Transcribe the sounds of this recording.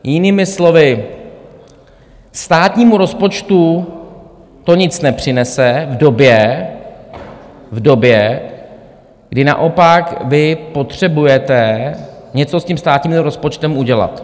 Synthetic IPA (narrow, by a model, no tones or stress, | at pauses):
jɪniːmɪslo̞vɪ | st̪aːt̪ɲiːmuɾo̞spo̞t͡ʃt̪u | t̪o̞ɲɪt͡snɛpr̥ɪnɛsɛvdo̞bjɛ | vdo̞bjɛ | ɡ̥dɪna̰ʔo̞pakvɪpo̞t̪r̝̥ɛbujɛt̪ɛ | ɲɛt͡so̞scimst̪aːt̪ɲiːmmɾo̞spo̞t͡ʃt̪ɛmʔuɟɛla̰t̪